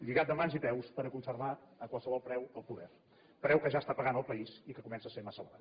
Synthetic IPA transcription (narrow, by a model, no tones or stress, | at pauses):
ʎiɣat̪̚d̪əmanzipɛwspəɾəkunsərβaəkwalˠsəβɔlˠpɾɛwəlˠpuðɛɾ | pɾɛwkəʒast̪apəɣanəlˠpəisikəkumɛnsəsemasəβɾa